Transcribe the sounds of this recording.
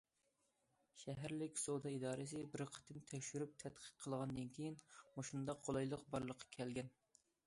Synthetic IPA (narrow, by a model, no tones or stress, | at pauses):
ʃɛɦæɾlɪkʲsod̪ɑid̪ɑːɾɨsɨbɪɾqʰə̥t̪ʰɨmt̪ʰɛkʲʃyɾyp̚t̪ʰɛt̪qʰə̥t̪̚qʰəlˠʁɑnd̪ɨnkʲʰijinmoʃund̪ɑqʰːolˠɑjlˠəqbɑɾlˠəqʰːɑ̥kʲʰɛlɡʲɛn